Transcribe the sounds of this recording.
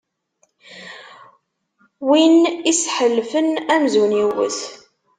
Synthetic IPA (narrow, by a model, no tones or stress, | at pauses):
winisħəlːfənæmzuniwə̰θ